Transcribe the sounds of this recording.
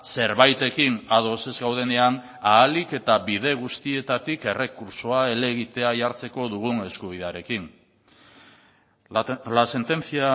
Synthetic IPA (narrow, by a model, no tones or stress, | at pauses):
se̞ɾβajt̪e̞kinaðo̞se̞zɡawð̞e̞ne̞an | aːlike̞t̪aβiðe̞ɣ̞ust̪ie̞t̪at̪ike̞re̞kuɾsoae̞le̞ɣit̪e̞aʝaɾt͡se̞ko̞ðuɣune̞skuβ̞iðeaɾe̞kin | lase̞nt̪e̞nt͡sia